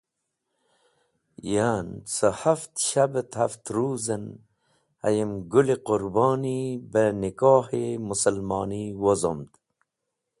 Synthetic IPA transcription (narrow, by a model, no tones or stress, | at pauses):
jant͡səhaft̪ʃabət̪haft̪ɾuːzən | a̰jemɡulequɾbɑːnibənikɑːhemusəlmɑːniwozo̰md̪